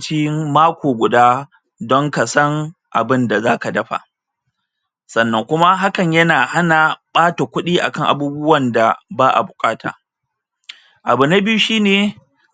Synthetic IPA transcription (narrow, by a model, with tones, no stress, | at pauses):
t͡ʃiː˦maː˦kʷoː˨ɡʷʊ˨daː˦ | dɔ˦ŋka˨sɐ˦ŋʔa̰˨bɪ˦nda˨zaː˦ka˨dɐ˦ɸa̰˨ | sɐ˨nːɐ˨ŋkʷʊ˦ma˦ɦa˦kɐ˨ɲjɐ˦naː˨ha˦na˨ɓaː˦ta˨kʷʊ˦ɗiː˦ʔa̰˨kɐ˦˨ŋʔa̰˨buː˦bʊ˦wɐ˨nda˨baː˦ʔa̰˨bʊ˨kʼaː˦tʰa̰ː˨ | ʔa˨bʊ˨na˦bɪ˦ju˦ʃiː˦neː˨